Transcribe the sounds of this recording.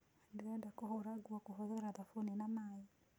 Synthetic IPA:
dɛdakɔɦɔɾaɡuakuɦɔðɔɾaðafuninamai

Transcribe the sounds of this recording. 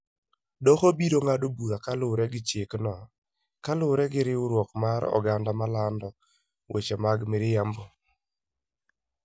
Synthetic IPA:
dɔxobidoŋadobuðakalʊɾɛɡɪt͡ʃeknɔ | kalʊɾɛɡɪɾɪʊɾwɔkmaɾɔ̰ɡandamalandɔ | wʔḛt͡ʃemaɡmɪɾɪjambo

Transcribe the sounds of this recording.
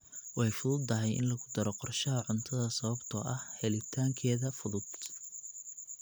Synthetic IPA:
wɑjfʊðʊd̪ɐɦɛjʔɪ̰nlɐɣʊd̪ɐɾɔqɔrʃɐɦɐʕʊnt̪ʰɐðɐsɐβɐbt̪ʰɔʔɐhhɛlɪt̪ʰaːŋkʰɛːðɐfʊðʊd̪̥

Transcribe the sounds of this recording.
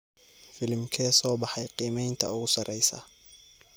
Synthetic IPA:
fɪlmkʰɛːsɔːbɑħɑjqiːmɛjnt̪ʰɐ̰ʊɣʊsɐrɛjsɐ̰

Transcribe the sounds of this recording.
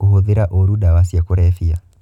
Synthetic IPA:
ohoðiɾaʔoɾuɗawasiakoɾɛfia

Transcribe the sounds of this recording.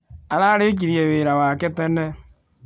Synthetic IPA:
alaɾek̬iɾieβeɾawaketenːe

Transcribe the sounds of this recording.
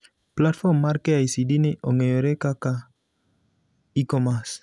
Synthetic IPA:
plat̪fomːaɾkeajsidiniʔoŋeoɾekaka | ikomas

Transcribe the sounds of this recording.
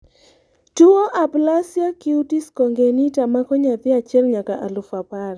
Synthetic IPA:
tuoʔaplasjakɪutiskɔŋɡenitamakɔɲat̪ɪat͡ʃɛlɲakaʔalʊfapaɾ

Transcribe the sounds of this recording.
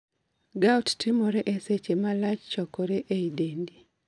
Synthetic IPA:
ɡattʰimoɾeʔeset͡ʃemalat͡ʃt͡ʃɔkɔɾeʔeidendi

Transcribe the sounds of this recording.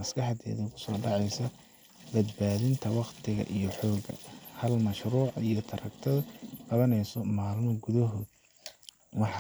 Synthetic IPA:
ɐskɑħd̪ɛ̰ːðɛkʰʊ̥sɔːɖɑʕɑjsɐ | bɐd̪baːðɪnt̪ʰɐwɑqt̪ʰɪɣɐ̰ʔijɞħɔːɡɐ̰hɐlmɐʃruːʕijɔt̪ʰɐɾɐkt̪ʰɐðqɑβɐnɛjsɔmaːlmɔɡʊðɐɦɔːd̪ | wɑħ

